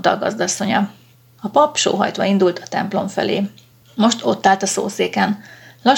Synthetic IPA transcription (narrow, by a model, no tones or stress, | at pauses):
t̪ɒ̰ɡɒ̰zd̪ɒsːo̞ɲɒ | ɒpɒpʃo̰ːɦɒ̰jt̪ʋɒind̪ult̪ɒt̪ɛmplo̞ɱfɛ̰leː | mo̞ʃt̪o̞t̪ːaːlt̪ɒso̰ːseːkɛnlɒ